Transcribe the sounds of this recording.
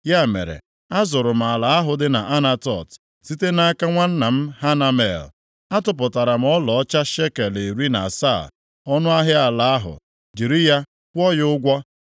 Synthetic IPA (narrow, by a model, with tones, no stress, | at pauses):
ja˦˨mḛ˨ɾḛ˨ | a˦zʊ˨ɾʊ˨m̩˨a˨la˨a˦ɦʊ˨dɪ˦na˨ʔa˦na˦tɔ̰˨t | si˦te˦na˦ka˦ŋʷa˦n̩˦na˨m̩˦ɦa˦na˦mḛ˨l | a˦tʊ˨p̬ʊ˨ta˨ɾa˨m̩˨˦ɔ˦lɔ˨ɔ˦t͡ʃa˦ʃe˦ke˨le˨ɾi˦na̰˨sa̰˦˨ | ɔ˦nʊ˦a˦ɦɪ˦a˨la˨a˦ɦʊ̰˨ | d͡ʒi˨ɾi˦ja˦ | kʷɔ˦jʊ˦ɡʷɔ˦